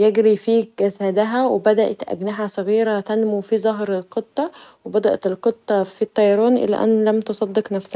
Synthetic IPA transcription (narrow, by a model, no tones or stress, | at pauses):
jeɡɾifiːɡæsæd̪æɦæwebæd̪æʔæt̪ʔæ̰ɡnaʕæsˤɑɣiːɾæt̪ænmufizˤɑɦɾelqet̪ˤːɑwebæd̪æʔet̪elqet̪ˤːɑfit̪ˤːɑjɾˤɑːnʔḛlːæ̰ʔæ̰nːlæmt̪osˤɑd̪ːeqnæfsæ